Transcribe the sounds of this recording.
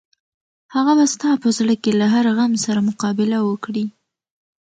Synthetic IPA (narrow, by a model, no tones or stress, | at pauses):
haɣabast̪ɑpəzɽəkelaɦaɾɣamsaɾamʊqɑbɪlawəkɽi